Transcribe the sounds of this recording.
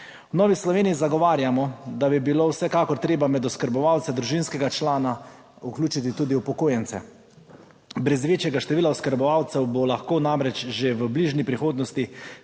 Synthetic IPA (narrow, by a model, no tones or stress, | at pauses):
wnɔːʋislɔʋeːniːzaɡɔʋaːɾjamɔd̪abibiloːwsɛkaːkɔɾt̪ɾeːbamɛd̪ɔskəɾbɔʋawt̪sɛd̪ɾuʒinskɛɡat͡ʃlaːna | uklʲuːt͡ʃit̪it̪uːd̪iwpɔkoːjɛnt̪sɛ̰ | bɾɛzʋeːt͡ʃjɛɡaʃt̪ɛʋiːlaɔskəɾbɔʋawt̪sɛwbolaxkoːnamɾɛt͡ʃʒeʋəbliʒnipɾixoːd̪nɔst̪i